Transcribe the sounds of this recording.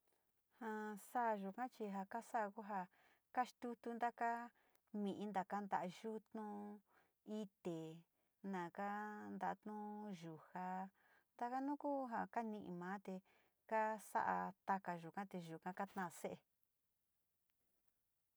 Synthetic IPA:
hã˧sa˦ʔʒu˨kã˦t͡ʃi˧ɦa˧ka˦sa˦ʔa˧ku˦ɦa˧ | ka˦ʃt̪u˦t̪u˦nd̪a˦ka˦ | mĩ˨ʔĩ˦nd̪a˨ka˦nd̪a˨ʔa˧ʒu˦t̪nũ˧ | i˧t̪e˨ | nã˨ka˦nd̪a˧˨˧t̪nũ˦ʒu˨ha˧ | nd̪a˧ka˦nũ˦ku˦ɦa˧ka˦nĩ˧ʔḭ̃˧˨mãː˨˦t̪e˧ | ka˦sa̰˦ʔa˧t̪a˧ka˧ʒu˨kã˦t̪e˧ʒu˨kã˧ka˦t̪nã˦˨se˦ʔe˧

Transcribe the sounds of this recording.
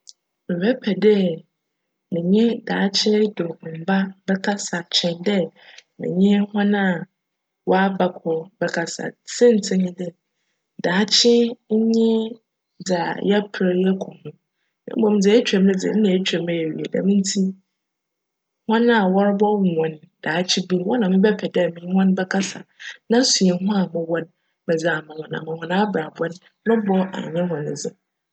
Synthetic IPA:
mɪ̃˨wɛ˦pʰɛ˨dɛ˦ | mɪ̃˨ɲɛ̃˦daː˨˦t͡ɕʰɪ˦dõ˨ba˦bɛ˦kʰa˦sa˨t͡ɕʰɛ̃˨ndɛ˦mɪ̰̃˨ɲɪ̃˦hɔ̃˦nã˦˨ | wɔ˦a˦ba˨kʰɔ˨bɛ˦kʰa˨sa̰˨sɛ̃˦n̩˨tʰɪ̃˦ɲĩ˦dɛ˦ | daː˨˦t͡ɕʰɪ˦ɲ̩˦ɲɪ̃˦ | d͡za˨jɛ˦pʰɾe˦jɛ˦kʰɔ̃˨nʊ̃˨ | ɪ̰˦ɔ̃˦m˦d͡zɪ˨ɛ˦t͡ɕᶣɾɛ̃˨mnɪ̃˦d͡zɪ̰˨n̩˦nã˨e˦t͡ɕʰᶣɾɛ˨mɛ˨jɥḭ˨e˨da̰˨mĩ˦n˦tʰi˦ | hɔ̃˦n˦a˨wɔ˦ɾbɔ˦˨ɔ̃˨n | d̥aː˨˦t͡ɕʰi˦bu˦wɔ˦nã˨mɪ̃˦bɛ˦pʰɛ˨dɛ˦˨mĩ˨˦hɔ̃˦n˦bɛ˦kʰa˦sa˨nã˦su˨e˨˦ɦʊ̃˦a˨mʊ̃˦wɔ˦n | mɛ̃˨d͡zɪ˨a˨mã˨hɔ̃˨nã̰˨mã˨hɔ̃˨nã˦bɾa˨bɔ˦n | nʊ̃˦bɔ̃˦ŋã̰˨ɲɪ̃˦hɔ̃˨nɪ̰̃˨d͡zɪ˦

